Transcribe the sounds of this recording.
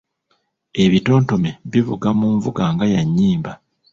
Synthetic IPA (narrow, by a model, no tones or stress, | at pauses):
e̞βito̞ːnto̞meβivuɡamuːɱvuɡaːŋɡajaɲːiːmba